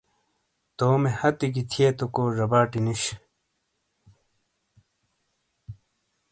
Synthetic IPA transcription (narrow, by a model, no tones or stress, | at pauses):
t̪oːmehɐt̪ikit̪ʰieːt̪okoːʐɐbaːʈiniɕ